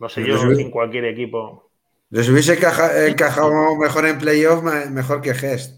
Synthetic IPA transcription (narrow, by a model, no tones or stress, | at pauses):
noseʝoes̬uiŋkwalkje̞ɾekipo | d̪es̬uβjes̬ekaaeŋkaxawome̞xo̞ɾe̞mple̞jo̞fmame̞xo̞ɾke̞xest̪